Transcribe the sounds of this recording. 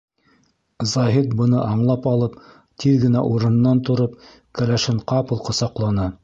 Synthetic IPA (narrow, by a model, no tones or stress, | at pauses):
zɑɦit̪bɤ̆nɤʔɑɴlˠɑpɑlˠɤp̚ | t̪ʰiðɡɘ̆næʔuɾɤ̆nːɑnt̪ŏɾɤp̚ | kælæʃɘɴqɑpɤ̆lˠqŏsɑqlˠɑnɤ